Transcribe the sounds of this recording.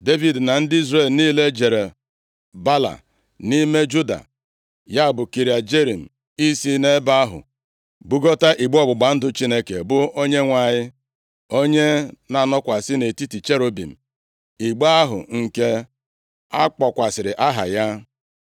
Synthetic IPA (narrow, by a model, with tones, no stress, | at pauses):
de˦vi˨dna˨n̩˦dɪ˦i˦zɾe˨lniː˦le˦d͡ʒe˨ɾe˨ | ba˦la̰˨ | ni˦me˦d͡ʒu˦da̰˨ | ja˦˨bʊ˨ki˨ɾja˨d͡ʒe˦ɾi˨m̩˨ | i˦si˦ne˦ba˦a˦ɦʊ̰˨ | bu˦ɡo˦ta˦ʔi˨ɡ͡bɔ˦˨bʊ˨ɡ͡ba˨n̩˦dʊ˦t͡ʃi˦ne˦ke˨bʊ˦o˦ɲe˦ŋʷa˨ɲɪ˦ | o˦ɲe˦na˨nɔ˦kʷa˨sɪ˦ne˨ti˦ti˨t͡ʃe˦ɾo˦bḭ˨m̩˨ | i˨ɡ͡ba˦ɦʊ̰˨ŋ̩˨ke˦ | a˦k͡pɔ˨kʷa˨sɪ˨ɾɪ˨ʔa˦ɦa̰˨ja˦